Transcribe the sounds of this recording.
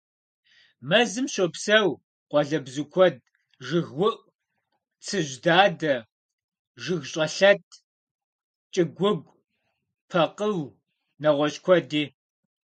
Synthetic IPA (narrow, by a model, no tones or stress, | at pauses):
mɐzɨmɕopsɐw | qʷɔɮɐbzɨkʷʰɔd̚ | ʒɨɣwʊʔ | t͡sʰɨʑdaːdɐ | ʒɨɣɕʼɐɬɐtʰ | t͡ʃʼɪɡʷʊɡʷ | pʰɐqəw | nɐʁʷɔɕʼkʷʰɔdiː